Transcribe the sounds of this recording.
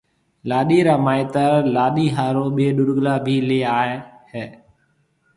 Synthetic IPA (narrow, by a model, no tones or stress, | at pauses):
laːɗiːɾaːmaːɪt̪əɾlaːɗiːɦaːɾoːɓeːɗʊɽɡlaːbʱiːleːaːehɛː